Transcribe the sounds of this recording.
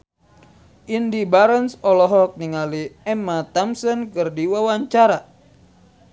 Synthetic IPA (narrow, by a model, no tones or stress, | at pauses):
ʔindibaɾənsɔlɔɦɔk̚niŋaliɛmat̪amsɔnkɨrdiwawaɲt͡ʃaɾa